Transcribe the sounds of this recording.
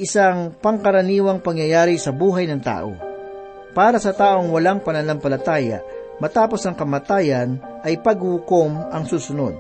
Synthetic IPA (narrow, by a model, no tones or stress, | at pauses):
ʔɪsaŋpɐŋkɐɾɐniːwɐŋpɐŋjɐjaːɾɪsɐbuːɦɐjnɐŋt̪a̰ːʔo̰ | paːɾɐsɐt̪aːʔo̞ŋwɐlaŋpɐnɐlampɐlɐt̪aːjɐ̰ | mɐt̪aːpo̞sɐŋkɐmɐt̪aːjɐn | ʔɐjpɐɡ̚hukomʔɐŋsuːsʊno̰d̪̚